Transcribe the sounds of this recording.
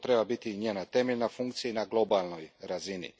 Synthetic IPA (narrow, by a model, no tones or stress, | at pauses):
t̪ɾe̞babit̪iɲeːnat̪e̞meʎʲnafuŋkt̪sijinaɡlˠo̞balˠno̞jɾazinḭ